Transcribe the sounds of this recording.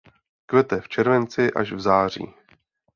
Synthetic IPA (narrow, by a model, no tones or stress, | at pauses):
kvɛt̪ɛft͡ʃɛɾvɛnt͡sɪʔa̰ʃvzaːr̝ḭː